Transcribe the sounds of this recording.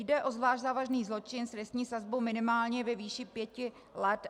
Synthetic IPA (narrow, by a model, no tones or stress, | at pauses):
jdɛʔo̞zvlaːʃʒzaːvaʒniːzlo̞t͡ʃɪnsɾɛst̪ɲiːsazbowmɪnɪmaːlɲɛvɛviːʃɪpjɛcɪ | lɛt̪